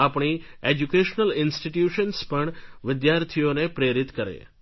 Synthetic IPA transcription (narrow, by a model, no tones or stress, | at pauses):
apɳ̃i | ed͡ʒukeʃnəlɪnsʈiʈjuʃənspəɳʋɪd̪jaɾt̪ʰijonepɾeɾɪt̪kəɾḛ